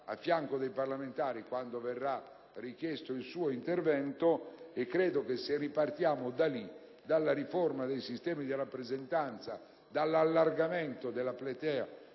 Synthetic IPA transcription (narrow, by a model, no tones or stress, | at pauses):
a̰fːjaŋkod̪ejparlament̪aːɾikwand̪ovɛrːa | rikjɛst̪oilsuːoint̪ervɛnt̪oekːɾɛːd̪okesːeripart̪jaːmod̪ali | d̪alːaɾiformad̪ejsist̪ɛːmid̪irapːɾezɛnt̪ant̪sa | d̪alːalːarɡament̪od̪elaplɛt̪ɛːa